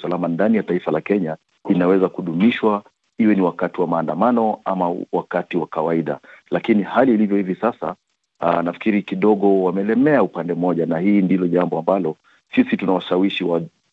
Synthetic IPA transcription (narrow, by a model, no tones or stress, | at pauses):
salamandanijataifalakɛɲa | inawɛzakuɗumiʃwa | iwɛniwakatiwamaːndamanɔamawakatiwakawaiɗa̰lakinihaliːlivjɔhivisasa̰ | nafi̥kiɾikiɗɔɠɔwamɛlɛmɛaupandɛmɔʄanahiːndilɔʄambɔambalɔ | sisitunawaʃawiʃiwa